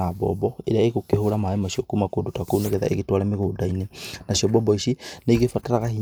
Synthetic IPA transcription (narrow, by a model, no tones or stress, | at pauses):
abɔ̰bɔeɾeaeɣokehoɾamaemasiɔkumakodotakoneɣeða̰ʔḛɣetwaɾameɣoːdainenasiɔbɔbɔisineiɣefataɾaɣahi